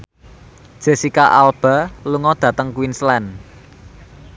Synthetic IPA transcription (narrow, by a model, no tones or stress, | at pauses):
d̥ʒ̥e̤sikaʔalb̥a̤luŋɔd̪̥ä̤t̪əŋkwinslɛn